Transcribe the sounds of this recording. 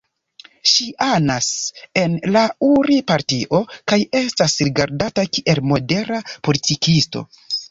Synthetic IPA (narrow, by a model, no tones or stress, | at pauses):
ʃiʔanase̞nlauɾipaɾtiʔo̞kaje̞stasɾiɡaɾdatakiʔe̞lmo̞de̞ɾapo̞litikisto̞̰